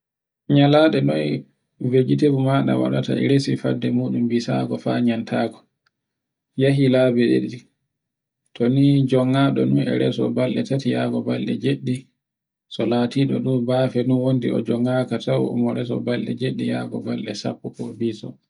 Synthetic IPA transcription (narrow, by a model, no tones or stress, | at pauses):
ɲalaɗɛnɔj | ved͡ʒitebumaɗa̰wa̰ɗata̰ɛɾesifadːɛmuɗumbisaɡɔfa̰ɲantʰaːɡɔ | jaɦilaːbɛɗḛɗi | tʰɔnid͡ʒɔŋːaɗɔnunɛ̰ɾɛsɔ̰balɗɛtatijaɡɔbalːɛd͡ʒeɗːi | sɔlaːtiɗɔɗuːbafɛnunwondiɔ̰d͡ʒɔŋːakatawɔ̰mɔɾɛsɔ̰balɗɛd͡ʒeɗːijaɡɔbalɗɛsa̰pːupɔbisɔ̰